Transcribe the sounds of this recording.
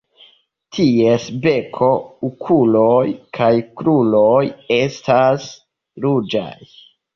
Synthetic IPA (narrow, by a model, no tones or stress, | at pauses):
tʰiesbe̞kʰo̞ukʰulojkʰajkɾulo̞je̞stʰas | ɾud͡ʒa̰j